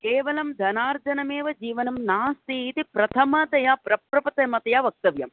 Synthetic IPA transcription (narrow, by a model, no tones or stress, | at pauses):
keːʋɐlɐmd̪ʱɐnaːɾd͡ʒɐnɐmeːʋɐd͡ʒiːʋɐnɐmnaːst̪it̪ipɾɐt̪ʰɐmɐt̪ɐjapɾɐpɾɐpɐt̪ɐmɐt̪ɐjaʋɐk̚t̪ɐʋjɐ̰m